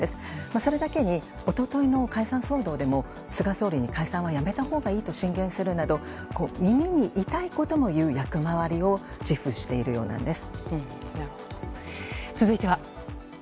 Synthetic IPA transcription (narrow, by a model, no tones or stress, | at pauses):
esɨ̥maso̞ɾe̞d̪ake̞ɲ̟i | o̞t̪o̞t̪o̞ino̞kaisãɰ̃so̞ːd̪o̞ːd̪e̞mo̞ | sɨɡaso̞ːɾʲiɲ̟ikaisãɰ̃βajame̞t̪aho̞ːɡaiːt̪o̞ɕĩŋɡẽ̞ɰ̃sɨɾɯ̟nad̪o̞ | ko̞ːmʲimʲiɲ̟iʔit̪aiko̞t̪o̞mo̞jɯ̟ːjakɯ̟maβaɾʲio̞ | d͡ʑiɸɯ̟ɕi̥t̪e̞iɾɯ̟jo̞ːnã̰nd̪e̞sɨ̥ | naɾɯhoot͡sɨzɨit̪e̞βa